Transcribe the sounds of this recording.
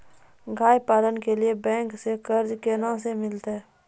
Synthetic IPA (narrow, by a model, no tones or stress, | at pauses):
ɡʱaːjpaːlənkeliebɛ̃ːŋksekəɾd͡ʒkenãsemɪlt̪ɦɛː